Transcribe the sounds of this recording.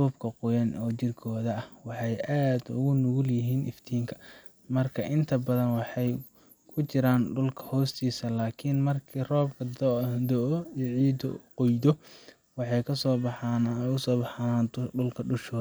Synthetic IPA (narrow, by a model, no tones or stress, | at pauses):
ruːbkʰɐqʊjɐnɔːt͡ʃɪrkʰɔːðɐɐhwɑħɑjʔaːd̪ʊ̰ɣʊnʊɣʊljɪɦiːnʔɪ̰ft̪ʰiːŋkʰɐ̥ | mɐrkʰɐʔɪnt̪ʰɐbɐðɐnwɑħɑj | kʰʊt͡ʃɪɾaːnɖʊlkʰɐ̥hɔːst̪ʰiːsɐlaːkʰinmɐrkʰirɔːbkʰɐd̪ɔʔɔijʕiːd̪ɔqɔjd̪ɔ | wɑħɑjkʰɐsɔːbɑħɑnʊsɔːbɑħanaːnt̪ʰɔɖʊlkʰɐɖʊʃɔː